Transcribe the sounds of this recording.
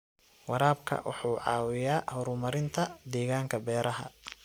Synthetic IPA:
wɑɾaːbkʰɐ̰wɑ̰ħuːʕɑ̰ːwɪjaːhɔɾʊmɐɾɪnt̪ʰɐd̪ɛːɣaːŋkʰɐbɛːɾɐɦɐ̰

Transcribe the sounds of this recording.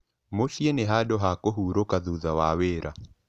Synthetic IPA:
moʃjeneɦadɔɦakoɦuɾokaðuðawaweɾʔa

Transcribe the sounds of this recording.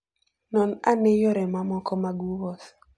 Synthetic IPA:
nɔnanejɔɾɛmamɔkɔmaɡuwɔs

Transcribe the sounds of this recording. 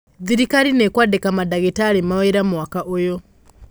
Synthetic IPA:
d͡ziɾikaɾinɛkwadɛkamadaɣɛtalimawɛɾamuwakaʔuːjɔ

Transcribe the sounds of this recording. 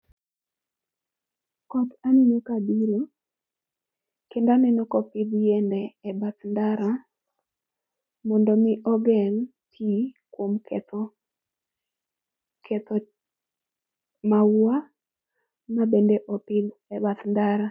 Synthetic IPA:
kɔt̪aninokadiɾo | kendanɛnɔkɔpɪd̪jendɛːbat̪ndaɾa | mɔndɔmɪʔɔɡɛŋ | tʰikwomkɛt̪ɔ | kɛt̪ɔ | mawa | mabendeʔɔpɪd̪ɛbat̪ndaɾa

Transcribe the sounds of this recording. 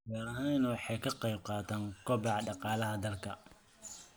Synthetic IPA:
ɡaːɾɐɦanɐwɑħɑjkʰɐqejb̚qɑːt̪ʰaːŋkʰɔbɑʕɖɑqɑːlɐɦɐd̪ɐlkʰɐ

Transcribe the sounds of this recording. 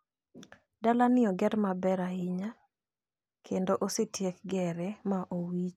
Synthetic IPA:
dalanɪɔɡɛɾmabɛɾaɪɲa | kʰendoʔosetjek̚ɡɛɾɛmaʔowit͡ʃ

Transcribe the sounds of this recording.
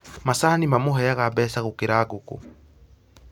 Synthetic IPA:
masaːnimamoɦɛjaɣabɛːsaɣokeɾaːɣoko̰

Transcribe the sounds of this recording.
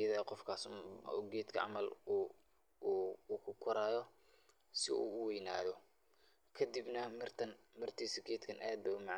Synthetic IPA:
ɐðɐqɔfkʰaːsṵɡɛːd̪kʰɐʕɑ̰mɐl | kʰʊkʰʊɾaːjɔ | sɪ̰ṵːʊwɛjna̰ːðɔ | kʰɐd̪ibnɐrt̪ʰɐn | mɪrt̪ʰiːsɐɡɛːd̪kʰɐnʔaːd̪̚bɛʊmɑʕ

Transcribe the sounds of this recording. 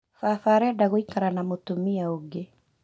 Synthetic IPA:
fafaɾɛdaɣoikaɾanamotumiaoɡe

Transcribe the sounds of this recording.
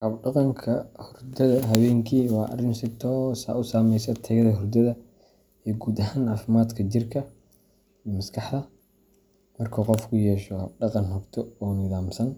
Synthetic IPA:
hɐbɖɑqɑŋkʰɐhʊrd̪ɐðɐɦɐwɛːŋkʰiːwɑːʔɐ̰rɪnsɪt̪ʰɔːsa̰ːʊsaːmɛjsɐt̪ʰɐɣɐðɐɦʊrd̪ɐðɐ | iːɡuːd̪ɐɦaːnʕɑːfɪmaːd̪kʰɐt͡ʃɪrkʰɐ | imɐskʰɑħðɐ | mɐrkʰɐqɔfkʰʊjɛːʃɔhɐb̚ɖɑqɑnɦɔbt̪ʰɔɔːnɪðaːmsɐn

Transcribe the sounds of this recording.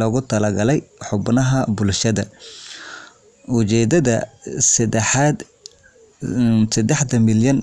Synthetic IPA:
ɔːɣʊt̪ʰɐlɐɡɐlɛjħʊbnɐɦɐbʊlʃɐðɐ | ʊt͡ʃɛːd̪ɐðɐs | sɐd̪ɛħd̪ɐmɪljɐn

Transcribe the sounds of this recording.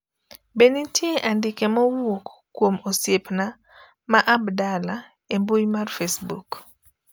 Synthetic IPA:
benitjeʔandɪkemɔwokː | womosjepna | maʔabdala | embujmarfesbuk

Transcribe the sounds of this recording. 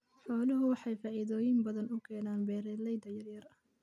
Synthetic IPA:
ħɔːlʊɦʊwɑħɑjfaːʔiðɔːjɪmbɐðɐnʊkʰɛːnaːnbɛːɾɛlɛjd̪ɐjɐrjɐrɐ

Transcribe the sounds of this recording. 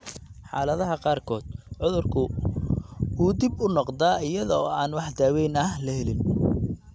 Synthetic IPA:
ħɑ̰ːlɐðɐɦɐqɑːrkʰɔːd̪̥̚ʕʊðʊrkʰʊ | uːd̪ɪbʊnɔqd̪aːɪjɐðɔːaːnwɑħd̪aːwɛjnɐɦlɐhɛlɪn

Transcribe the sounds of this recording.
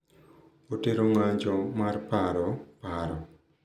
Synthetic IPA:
oteɾoŋaɲd͡ʒɔmarpaɾɔpaɾɔ

